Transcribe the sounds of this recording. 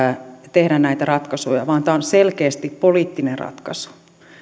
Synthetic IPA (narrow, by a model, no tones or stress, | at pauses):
t̪ehdænnæit̪ærɑt̪kɑsojɑʋɑːnt̪æonselkeːst̪ippoliːt̪ːinerrɑ̰t̪kɑsu̥